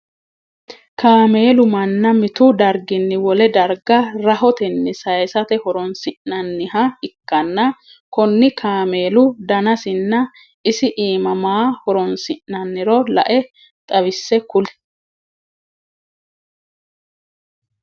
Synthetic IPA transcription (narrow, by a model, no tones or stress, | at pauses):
kʰaːme̞ːlʊmɐnːɐmɪt̪ʊd̪ɐɾɡɪnːɪwɔlɛd̪ɐɾɡɐɾɐɦɔt̪ɛnːɪsɐjsɐt̪ɛhɔɾɔnsɪʔnɐnːɪhɐɪkːɐnːɐ | kɔnːɪkʰaːme̞ːlʊd̪ɐnɐsɪnːɐ | ɪsɪʔiːmɐmaːhɔɾɔnsɪʔnɐnːɪɾɔlɐ̰ʔɛ | t̪ʼɐwɪsːɛkʊl